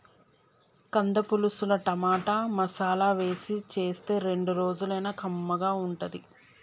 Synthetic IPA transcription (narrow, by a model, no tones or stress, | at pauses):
kɐnd̪ɐpulusulɐʈɐmaːʈamɐsaːlaːʋe̞ːsit͡ʃe̞ːst̪e̞ːɾe̞ɳɖuɾo̞ːd͡ʒulɐjnɐkɐmːɐɡaːuɳʈɐd̪i